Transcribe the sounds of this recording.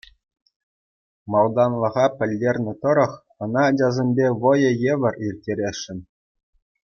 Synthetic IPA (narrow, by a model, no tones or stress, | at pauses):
mɑlˠd̪ɑnlˠɤ̆ʁɑpʲɘ̆lʲːerʲnʲɘ̆t̪ɤ̆ɾɤ̆χ | ɤ̆nɑːd͡ʑɑzʲemʲbʲeʋɤ̆jɤ̆jeʋʲɘ̆rʲirʲtʲːeɾʲeʃːɘ̆nʲ